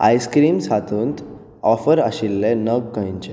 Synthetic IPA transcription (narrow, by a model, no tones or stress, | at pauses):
a̰jskɾiːmsat̪ʰuːnt̪ | ɔfəɾəɕilːenəɡkə̃jɲt͡ɕe